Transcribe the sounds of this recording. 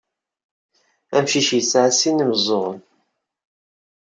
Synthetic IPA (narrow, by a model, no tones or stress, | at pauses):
æmʃiʃjəsʕasinːəmzˤoʁən